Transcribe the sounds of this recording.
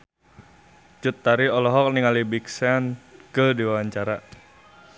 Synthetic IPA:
t͡ʃut̪ːaɾiɔlɔɦɔk̚niŋalibiksankədiwawaɲt͡ʃaɾa

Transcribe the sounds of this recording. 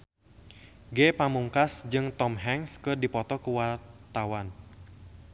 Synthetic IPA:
ɡɛpamuŋkasd͡ʒɨŋt̪ɔmɦɛŋskɨrdipɔt̪ɔkuwart̪awan

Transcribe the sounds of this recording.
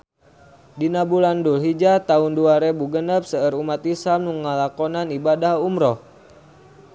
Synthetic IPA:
dinabulandulɦid͡ʒat̪aunduaɾɛbuɡənəp̚səəɾumat̪isamnuŋalakɔnanibadahumɾɔh

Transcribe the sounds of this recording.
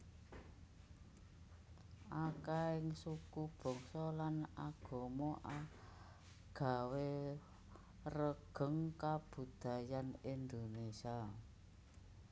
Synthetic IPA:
ʔakaɪŋsukub̥ɔ̤ŋsɔlanaɡ̥o̤mɔʔa | ɡ̥a̤we | rəɡ̥ə̤ŋkab̥ṳd̪̥a̤janind̪onesia

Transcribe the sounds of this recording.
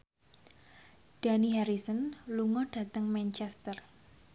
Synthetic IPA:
ɖ̥a̤niɦaɾisənluŋɔɖ̥a̤t̪əŋmɛnt͡ʃɛst̪ər

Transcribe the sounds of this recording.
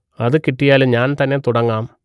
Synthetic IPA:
ɐðɨkiʈːijaːluɲaːnt̪ɐnːe̞t̪uɽɐŋːaːm

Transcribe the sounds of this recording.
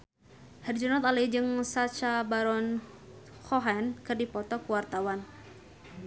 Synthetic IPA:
hɛrd͡ʒɔnɔt̪aləid͡ʒɨŋsat͡ʃabaɾɔn | xɔɦɛnkɨrdipɔt̪ɔkuwart̪awan

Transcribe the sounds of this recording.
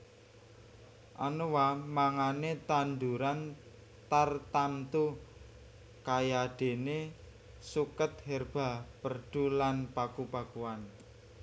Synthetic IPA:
ʔanuwamaŋanet̪and̪uɾan | t̪art̪ant̪u | kajaɖ̥e̤ne | sukət̪̚hɛrb̥a̤pərɖ̥ulanpakupakuan

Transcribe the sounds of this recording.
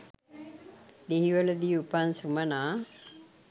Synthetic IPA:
d̪iɦiʋɐlɐd̪ijupansumɐnaː

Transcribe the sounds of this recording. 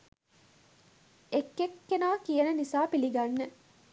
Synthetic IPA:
ekːekːenaːkijənənisaːpiliɡanːə

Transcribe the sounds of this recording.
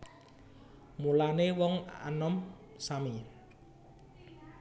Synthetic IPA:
mulanewɔŋa̰nɔm | sami

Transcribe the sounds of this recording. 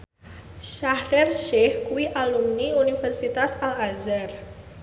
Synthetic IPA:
ʃahɾɛrʃɛhkuwiʔalumniunifɛrsit̪asalazar

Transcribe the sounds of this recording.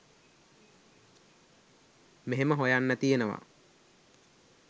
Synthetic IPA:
meɦeməɦojanːæt̪ijenəʋa̰

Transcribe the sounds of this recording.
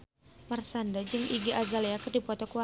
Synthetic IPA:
marsandad͡ʒɨŋʔiɡiʔazaliakərdipɔt̪ɔkuwa

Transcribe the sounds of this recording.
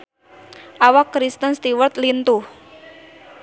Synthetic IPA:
ʔawakːɾist̪ənst̪iwərt̪lint̪uh

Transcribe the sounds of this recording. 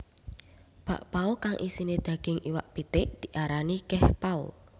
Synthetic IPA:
b̥a̤̰ʔpaukaŋʔḭsined̪̥ä̤ɡ̥ɪŋʔiwa̰ʔpit̪ɪʔd̪̥i̤ʔaɾanikɛhpaṵ

